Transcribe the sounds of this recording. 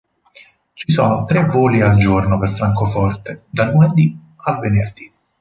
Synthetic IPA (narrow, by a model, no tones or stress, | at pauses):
t͡ʃisɔnot̪ɾevoːliald͡ʒornoperfɾaŋkofɔrt̪ed̪alnumed̪i | alvenerd̪i